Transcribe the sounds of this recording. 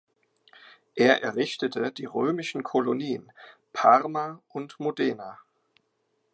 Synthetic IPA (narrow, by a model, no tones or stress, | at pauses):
ʔeːɐʔɛɐʁɪçtətʰəd̥iːʁøːmɪʃn̩kʰɔloniːənpʰaʁmaʔʊntmodɛːna